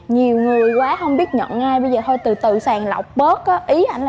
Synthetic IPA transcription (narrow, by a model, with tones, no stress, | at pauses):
ɲi˨˩əwŋɨ˨˩əjkwaː˨˦hə˧wŋ͡mɓi˦˥ət̚ɲə̰˧˨nʔaː˧jɓə˧jzəː˨˩t̪ʰo˧jt̪ɨ˨˩t̪ɨ̰˧˨saː˨˩ŋla̰˨˩wk͡p̚ɓəː˦˥t̚kɔ˨˦ʔi˨˦ʔa˧jŋ̟l